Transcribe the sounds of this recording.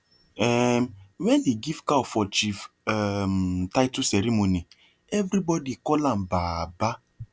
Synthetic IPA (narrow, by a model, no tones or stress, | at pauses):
ɛmwɛ̃ndeɡiv̥kafɔt͡ʃif | ɛmtaɪtusɛɾimoni | ɛvɾibɔdikɔlãmbaba